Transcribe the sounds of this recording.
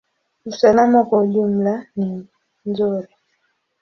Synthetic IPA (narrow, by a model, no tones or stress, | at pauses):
usalamakwauʄum̩lani | nzuɾi